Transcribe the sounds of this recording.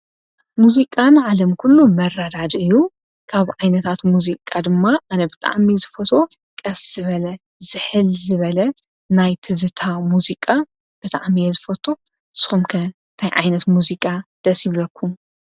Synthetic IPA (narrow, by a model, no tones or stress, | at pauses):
muzikʼanʕalɐmkʰulːumɐrːad̪ad̪ɨjːu | kʰaβʕajnɐt̪ʰat̪muzikʼad̪ɨmːaʔanɐbɨt̪ʼa̰ʕmizɨfɐt̪ʰo̞ | kʼɐsz̥ɨβɐlɐ | zɨħɨlzɨβɐlɐ | najt̪ʰɨzɨt̪ʰamuzikʼa | b̥ɨt̪ʼa̰ʕmijɛzɨfɐt̪ʰo̞ | sxumkʰɐ | t̪ʰajʕa̰jnɐt̪muzikʼad̪̥ɐsjɪβlɐkʰːum